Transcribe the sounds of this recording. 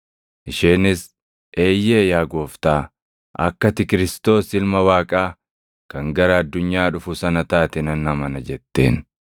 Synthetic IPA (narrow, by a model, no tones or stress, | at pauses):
ʔɪʃeːnɪs | ʔe̞ːjːeːjaːɡo̞ːft̪aː | ɐ̰kːɐt̪ɪkɪɾɪst̪o̞ːsɪlmɐwaːkʼaː | kɐŋɡɐɾɐɐd̪ːʊɲːaːᶑʊfʊsɐnɐt̪aːt̪ɛnɐnɐmɐnɐd͡ʒɛt̪ːe̞̰ːn